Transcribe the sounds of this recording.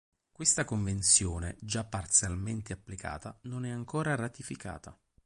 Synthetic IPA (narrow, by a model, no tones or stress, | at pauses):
kwest̪akoɱvent̪sjoːnḛd͡ʒapːart̪sjalment̪eapːlika̰ːt̪anonɛaŋkoːɾarat̪ifikʰa̰ːt̪a̰